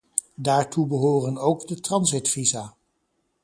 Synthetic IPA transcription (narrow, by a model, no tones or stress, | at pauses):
daːɹtʰubəɦoːrənowɡdətrɑnzɪtfizaː